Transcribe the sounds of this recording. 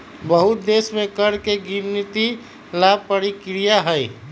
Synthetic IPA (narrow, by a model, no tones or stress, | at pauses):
bəɦʊt̪̚d̪eːsmẽkəɾkeɡimnit̪i | lab̚pəɾikɾijaɦəj